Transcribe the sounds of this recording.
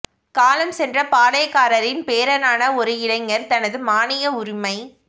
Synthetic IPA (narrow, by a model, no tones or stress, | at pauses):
kaːlɐmsɛndrɐpaːɽɐjɐkːaːɾɐɾɪnpeːɾɐnaːnɐɔɾɯɪlɐɪŋɐɾt̪ɐnɐðɯmaːnɪjɐʊɾʊmɐɪ